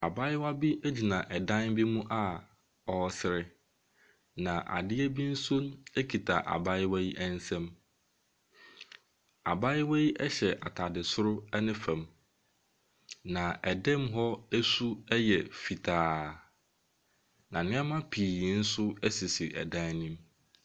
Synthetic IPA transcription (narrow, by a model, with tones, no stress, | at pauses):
a˨ba˦ɪ˦wa˦bi˦ʔæ˦d͡ʑi˨nã˨ʔɛ˨dã˦nbi˦mũ˦ʔa˦ | ɔ˨˦sɪ˨ɾɪ˦ | nã˨ʔa̰˨dɪ˦ɛ˦bi˦n̩˦sʊ̃˦ne˦kʰi˨tʰa̰˨ʔa̰˨ba˦jɪ˦wa˦ji˦ʔɛ̃˦n˦sɛ̃˦m | a̰˨ba˦ɪ˦wa˦ji˦ʔɛ˦ɕɛ˨ʔa˨tʰa˨dɪ˨sʊ˦ɾʊ˦ɛ˦nɪ̃˦fæ̃˨m | nã˨ɛ˨dɛ̃˦mɦɔ˦æ˦su˦ɛ˦jɛ˨fi˨tʰaː˨ | nã˨nɪ̃˦ɛ˦mã˦pʰiː˨˦n̩˦sʊ˦æ˦si˨si˨ʔɛ̰˨dã˦nnĩ˦m